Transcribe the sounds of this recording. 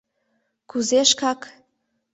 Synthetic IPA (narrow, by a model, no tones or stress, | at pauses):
kuzeʃkɑk